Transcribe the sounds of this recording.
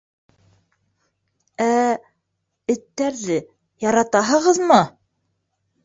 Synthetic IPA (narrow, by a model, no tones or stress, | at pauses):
æ | ɘ̆t̪ːæɾðɘ | jɑɾɑt̪ɑɦɤ̆ʁɤðmɤ